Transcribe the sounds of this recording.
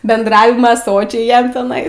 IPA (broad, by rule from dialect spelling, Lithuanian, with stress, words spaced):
bʲɛndˈrɑːʋʲɪmɐ ˈsoːt͡ʃʲɛɪ ˈjɛm tʲɛˈnɐɪ